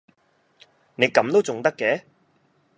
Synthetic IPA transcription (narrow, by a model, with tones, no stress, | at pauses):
ne˨˧jkɐ˨˧˥mt̪o˥wt͡sʊ˨ŋt̪ɐ˥kːɛː˨˥